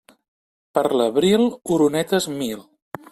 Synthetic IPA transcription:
pəɾləβɾilˠuɾunɛt̪əzmilˠ

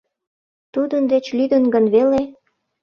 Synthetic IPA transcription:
t̪ud̪ənd̪et͡ɕlyd̪ənɡənβele

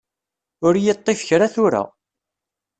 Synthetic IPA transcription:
ʊɾjət̪ˤːɪfəçɾaθʊɾa̰

